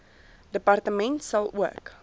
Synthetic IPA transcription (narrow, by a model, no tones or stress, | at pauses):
dəpɐrtəmɛntsɐlˠuək